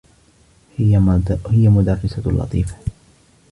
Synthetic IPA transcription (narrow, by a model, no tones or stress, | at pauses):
h | hɪjamʊd̪arːɪsalʔɑ̰t̪ˤiːfḁ